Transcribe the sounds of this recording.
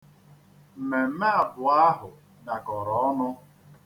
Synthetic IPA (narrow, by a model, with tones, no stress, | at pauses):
m̩˨me˨m̩˦me˦a˨bʊ˨a˦ɦʊ˨ | na˨kɔ˨ɾɔ˨˦ɔ˦nʊ˦